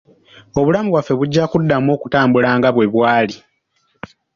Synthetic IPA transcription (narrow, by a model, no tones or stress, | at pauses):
o̞βulamuβwafːe̞βuɟːakudːamo̞ːku̥taːmbulaːŋɡaβwe̞βwaːli